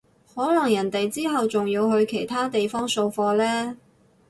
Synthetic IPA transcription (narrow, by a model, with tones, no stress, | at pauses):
hɔː˨˥lɐ˨˩ŋjɐ˨˩nt̪e˨jt͡siː˥ɦɐ˨wt͡sʊ˨ŋjiː˧wɦɵ˧ɥkʰe˨˩jt̪ʰaː˥t̪e˨jfɔː˥ŋso˧wfɔː˧lɛː˥